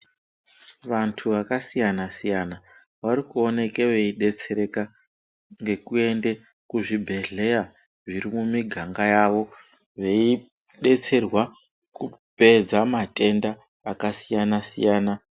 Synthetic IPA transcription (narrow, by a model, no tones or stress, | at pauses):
ʋantʰuʋakasijanasijana | warikuo̞ne̞ke̞ʋe̞iɗe̞t͡se̞ɾeka | ŋɡe̞kue̞nde̞ | kuʐibʱe̞ɮe̞ja | ʐiɾimumiɡʱaŋɡajaʋo̞ | ʋe̞i | ɗe̞t͡se̞rwa | kupe̞d͡zamatʼe̞ndaː | kasijanasḭjaːna